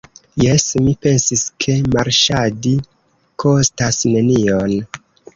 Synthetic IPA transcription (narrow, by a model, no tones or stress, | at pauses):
jesmipe̞nsiskʰe̞maɾʃadi | kʰo̞stasne̞nion